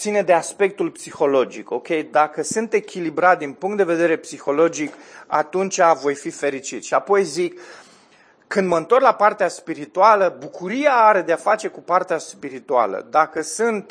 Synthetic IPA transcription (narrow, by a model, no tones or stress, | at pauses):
sine̞d̪e̞aspe̞k̚t̪ulpsixo̞lo̞d͡ʒiko̞kʲe̞jd̪akəsɨnt̪e̞kʲilibɾat̪̚d̪inpuŋkt̪d̪e̞ve̞d̪e̞ɾe̞psixo̞lo̞d͡ʒika̰t̪unt͡ʃʲavo̞jfife̞ɾit͡ʃit̪ʃiapo̞jzik | ɨnd̪məɨnt̪o̞rlapart̪easpiɾit̪ualəbukuɾiaaɾe̞d̪eafat͡ʃe̞kupart̪easpiɾit̪ua̰lə̰d̪akəsɨnt̪